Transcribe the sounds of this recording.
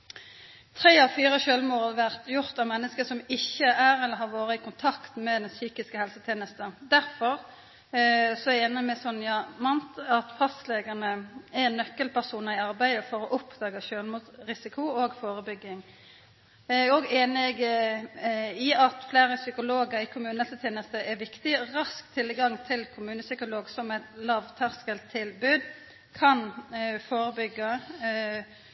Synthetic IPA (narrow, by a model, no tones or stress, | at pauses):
t̪ʰɾeːɑʋfyːʁəɕøːlmuːʁɑd̪ʋæʁt̪jʊɾt̪ɑʋmɛnːəskəsɔmɪçːəæɾɛlːəɾɦɑɾʋoːɾəɪkʊnt̪ʰɑkt̪mɛd̪ɛnsyːkɪskəhɛlsət̪ʰeːnəst̪əd̪æɾfɔɾ | sɔɛeːnəmɛsɔnːjɑmɑnt̪ɑt̪fɑsleːɡənəæɾɛnːœkːəlpʰæʁsuːnɑʁɪɑɾbæɪd̪əfɔɾɔʔʊpd̪̥ɑːɡəʃøːlmuːsɾɪsɪkʰʊoːɡfoːɾəbʏɡːɪŋ | ɔɡeːnɪɡ | ɪɑt̪fleːɾəsʏkʊloːɡəɾɪkʰʊmʉːnɛlsət̪ʰeːnəst̪əʔɛʋɪkt̪ɪʁɑskt̪ʰɪlɡɑŋt̪ʰɪlkʰʊmʉːnəsʏkʊloːɡsɔmæɪt̪lɑːʋt̪ʰæʁskəlt̪ʰːɪlbʉːd̪ | kʰɑnfoːɾəbʏɡːə